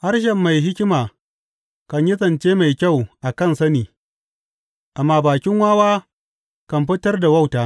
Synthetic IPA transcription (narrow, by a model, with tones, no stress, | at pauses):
ha˦rʃ̬ɐ˨mːa˨jɦɪ˦kʲɪ˦maː˨ | kɐ˨ɲjɪ˦sʼɐ˨nt͡ʃeː˦ma˨jkʲa˦˨wʔa˨kɐ˦˨nsɐ˦niː˨ | ʔa˨mːaː˦baː˨kʲɪ˦ŋwaː˦waː˦ | kɐ˨mɸɪ˦tɐ˦rda˨wa˦wtaː˨